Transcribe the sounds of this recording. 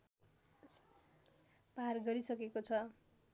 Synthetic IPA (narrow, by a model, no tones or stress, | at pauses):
paɦarɡʌɾisʌkekot͡sʰʌ